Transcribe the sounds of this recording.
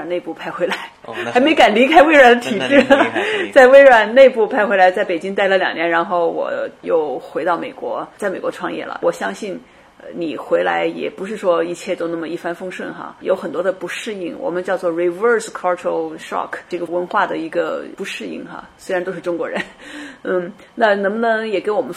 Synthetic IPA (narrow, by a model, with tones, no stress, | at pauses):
a˨˩ne˥˧ɪpu˥˩pʰa˥˧ɪxwe˧˥ɪla˧˥ɪxa˧˥me˧˥ka˨˩nli˧˥kʰa˥ɪwe˥ɪɻwa˧˥˩d̪ə˧t̪ʰi˨˩ʈ͡ʂɻ̩˥˩t͡sa˥˩ɪwe˥ɪɻa˨˩nne˥˧ɪpu˥˩pʰa˥ɪxwe˧˥ɪla˧˥ɪt͡sa˥˩ɪpe˨˩t͡ɕi˥ŋt̪a˥˩ɪlə˨˩ljɑ˨˩ŋnjɛ˧˥nɻa˧˥nxo˥˩ʊwɔ̰˨˩jo˥˩ʊxwe˧˥ɪt̪ɑ˥˩ʊme˨˩ɪkwɔ̰˧˥t͡sa˥˩ɪme˨˩kwɔ˧˥ʈ͡ʂʰwɑ˥˧ŋjɛ̰˥˩lə̰˩wʔɔ˨˩ɕjɑ˥ŋɕi˥˩n | ni˨˩xwe˧˥ɪla̰˧˥ɪjɛ̰˨˩pu˧˥ʂɻ̩˥˩ʂwɔ˥i˥˧t͡ɕʰjɛ˥˩t̪o˥ʊnə˥˩mə˩i˥˩fa˥nfɤ˥ŋʂwə˥˩nxa̰˧jo˧˥ʊxə˨˩nt̪wɔ˥d̪ə˧pu˧˥ʂɻ̩˥˧ḭ˥˩ŋwɔ̰˨˩mə˦nt͡ɕjɑ˥˧ʊt͡swɔ˥˩ɹi˧˥˩və˥˧skʰɑ˥ʈ͡ʂʰə˧˥ʂɑ̰˥˩kʰʈ͡ʂɤ˥˩ɡə˩wə˧˥nxwa˥˩d̪ə˩i˧˥ɡə̰˧pu˧˥ʂɻ̩˥˧ḭ˥˩ŋxa̰˧˩swe˥ɻa˧˥nt̪o˥ʊʂɻ̩˥˧ʈ͡ʂʊ˥ŋkwɔ˧˥ɻə̰˧˥nn̩˥˩ | na˥˩nɤ˧˥ŋbə˧˩nɤ˧˥ŋjɛ˨˩ke˥ɪwɔ˨˩mə˦n